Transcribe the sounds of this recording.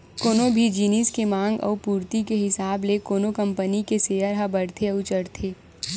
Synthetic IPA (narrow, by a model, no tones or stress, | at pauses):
koːnobʱid͡ʒiːniːskemãːŋɡɔ̰ːpuːɾt̪ikeɦɪsaːblekoːnokɐ̃mpənikeseːəɾɦabəɽt̪ʰeɐʊt͡ʃəɾt̪ʰeː